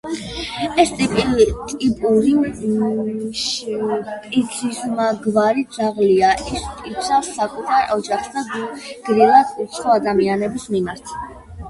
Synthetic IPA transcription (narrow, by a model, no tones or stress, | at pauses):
ɛst̪ʼipʼt̪ʼipʼuɾi | ʃ | pʼit̪sʰismaɡvaɾid̪z̥aʁliaʔispʼisʰasːakʼut̪ʰaɾʔɔd͡ʒaχsd̪aɡɡ̥ɾilˠad̪ʰut̪sʰʼχɔad̪amianɛbismimaɾt̪ʰ